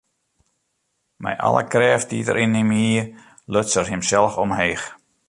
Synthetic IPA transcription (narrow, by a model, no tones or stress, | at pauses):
mɛ̰jʔɑ̰lˠə̰krɛːftitə̰ɾʔinimi | løsərɦɪmsɛlˠfɔmɦeːx